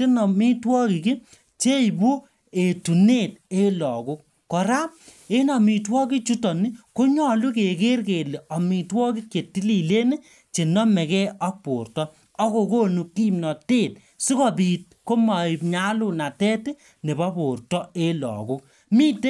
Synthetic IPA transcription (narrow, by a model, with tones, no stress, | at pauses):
e˦nɔ˨mi˦twɔ˦ki˨ki˦ | t͡ʃe˦jbu˦ | e˨tu˨ne˦˨t̚e˦lɔ˨ku˦k̚ːɔ˨ɾa˦ | e˦nɔ˨mi˨twɔ˦ki˦t͡ʃu˦tɔ˨ni˦ko˦ɲɔ˦lu˦ke˨ke˦rke˨le˨ɔ˨mi˨twɔ˦ki˦kje˨tːi˦li˨le˦ne˦ | t͡ʃe˨nɔ˦mɛ˨kɛ˦ɔ˦k̚po̰˨rtɔː˦ | ko˨ko˦nu˨kːi˦mnɔ˨te˦˨t̚ | si˦kɔ˨pi˨t̚ko˦ma˨i˨pɲa˦lu˦na˨tɛ˦te˦ | ne˨bɔ˦po˨rtɔ˦e˦lɔ̰˨kʊ˦k̚ | mi˦te˦